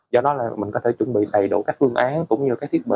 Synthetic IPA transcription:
zɔ˧ɗɔ˨˦laː˨˩mï˨˩ŋ̟kɔ˨˦t̪ʰe˧˩t͡ɕwə˧˩˨nɓḭ˧˨ɗa˨˩jɗṵ˧˩kaː˦˥k̚fɨ˧əŋʔaː˨˦nkʊ̰˧˥wŋ͡mɲɨ˧˩kaː˦˥k̚t̪ʰi˦˥ət̚ɓḭ˧˨

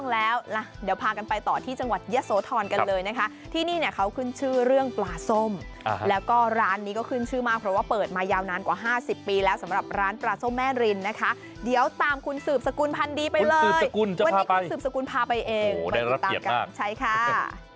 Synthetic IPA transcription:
ŋlɛː˦˥wla˧˩di˩˦əwpʰaː˧ka˧npa˧jt̪ɔː˨˩t̪ʰiː˥˩t͡ɕa˧ŋwa˨˩t̪̚ja˦˥soː˨˦t̪ʰɔː˧nka˧˦lɤː˧jna˦˥kʰa˦˥ | t̪ʰiː˥˩niː˥˩ni˧˩əkʰa˦˥wkʰɯ˥˩nt͡ɕʰɯː˥˩ɾɯ˥˩əŋplaː˧so˥˩m˧ | lɛː˦˥wkɔː˥˩ɾaː˦˥nːiː˦˥kɔː˥˩kʰɯ˥˩nt͡ɕʰɯː˥˩maː˥˩k̚pʰɾɔ˦˥waː˥˩pɤː˨˩t̪̚maː˧jaː˧wnaː˧nkwaː˨˩ɦaː˥˩si˨˩pːiː˧lɛː˦˥wsa˩˦mɾa˨˩p̚ɾaː˦˥nplaː˧so˥˩mːɛː˥˩ɾi˧nːa˦˥kʰa˦˥ | di˩˦əwt̪aː˨˩mkʰu˧nsɯː˨˩p̚sa˧ku˧npʰa˧ndiː˧pa˧jlɤː˨˩˧jku˧n˧wa˧a˦˥a˧sɯː˨˩p̚sa˧ku˧npʰaː˧pa˧jʔeː˧ŋaa˧˥˩a˦t̪aː˨˩kːaː˧˥˩t͡ɕʰa˥˩jkʰa˥˩˥

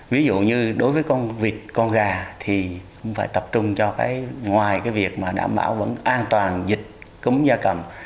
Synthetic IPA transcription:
vi˨˦zṵ˧˨ɲɨ˧ɗo˨˦jvəː˨˦jkɔ˧nvi˨˩t̚kɔ˧nɣaː˧˩t̪ʰi˨˩kʊ̰˧˥ŋ͡mfaː˧˩jt̪ə˨˩p̚t͡ɕʊ˧ŋ͡mt͡ɕɔ˧ka̰ː˨˦jŋwaː˨˩jkaː˨˦jvi˨˩ək̚maː˨˩ɗa̰ː˧˩mɓa̰ː˧˩wvə̰˧˥nʔaː˧nt̪waː˨˩nzï˨˩k̟̚kɨ˨˦ŋ͡mzaː˧kə˨˩m

